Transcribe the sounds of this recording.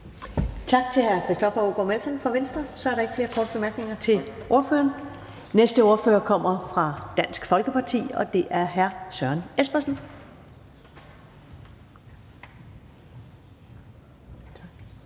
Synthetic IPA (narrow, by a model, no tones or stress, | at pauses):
t͡sʰɑ̈ɡ̥̚t͡sʰe̝lhæɐkʰʁesd̥ɒ̽fɐoɡ̥omel̰sɒnfɒ̽ʋensd̥ʁɐsɒ̽æɐɾɑ̈e̝ɡ̥fle̝ːɐkʰɒːd̥əb̥e̝mæɐɡ̥ne̝ŋɐt͡sʰe̝ʔo̝ɐfø̰ːɐːn | nesd̥əo̝ːɐføːɐkʰɒ̽m̰ɐfʁɑ̈d̥æn̰sɡ̥fɒ̽lɡ̥əpʰɑ̈t͡sʰḭːɒ̽d̥e̝ʔæɐɦæɐsɶɐnesb̥ɐsn̩